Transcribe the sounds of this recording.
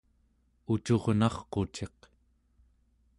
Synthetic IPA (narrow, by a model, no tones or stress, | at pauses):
ut͡ʃoʁnɑχqo̞t͡ʃe̞q